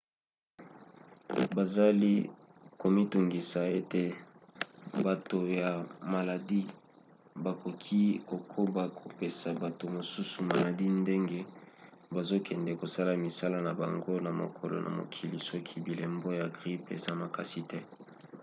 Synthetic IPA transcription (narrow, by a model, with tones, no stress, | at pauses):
ba˨za˦li˦ | ko˨mi˦tu˨ŋɡi˨sa˨e˦te˨ | ba˨to˨ja˨ma˨la˨di˦ | ba˨ko˨kʰi˦ko˨kʰo˦ba˨kʰo˨pe˨sa˨ba˨to˨mo˨su˦su˨ma˨la˨di˦nde˦ŋɡe˦ | ba˨zo˦kɛ˨ndɛ˨ko˨sa˦la˨mi˨sa˦la˦na˨ba̰˨ŋɡo˦na˨mo̰˨kʰo˨lo̰˨nʔa̰˨mo̰˨kʰi˨li˨sɔ˦kʰi˦bi˨le˨mbo˦ja˨ɡʁi˦pḛ˨za˦ma˨ka˨si˦tɛ˦